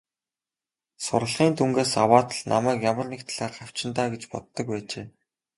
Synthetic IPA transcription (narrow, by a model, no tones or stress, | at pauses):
sʊ̰ɾə̆ɮʁ̥iːnt̪ʰuŋɡeːsawaːt̪ə̆ɮnʔa̰mæːkjamə̆rnekt̪ʰɮaːrχaw̥t͡ɕɪ̆nt̪aːɡet͡ɕpɔ̰t̪ːɞ̆k̚pæːt͡ɕeː